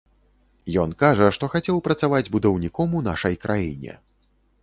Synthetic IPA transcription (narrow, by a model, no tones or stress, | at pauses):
jɔnkaʐɐʂt̪ɔxat͡sʲɛwpɾɐt̪savad͡zʲbud̪ɐwnʲikɔmun̪a̰ʂɐjkɾʔajḭnʲɛ̰